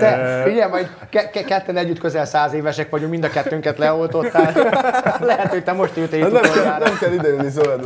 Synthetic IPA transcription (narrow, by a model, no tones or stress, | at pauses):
t̪ɛfiɟɛmɒɟ | kɛkɛkɛt̪ːɛnɛɟːyt̪køzɛlsaːzeːvɛʃɛkʋɒɟokmind̪ɒkɛt̪ːøŋkɛt̪lɛo̞lt̪o̞tt̪ːaːllɛɦɛt̪hoc̚ʲt̪ɛmo̞ʃt̪øːt̪eːnɛmoaːnɛmkɛlid̪ɛylnizolɛd̪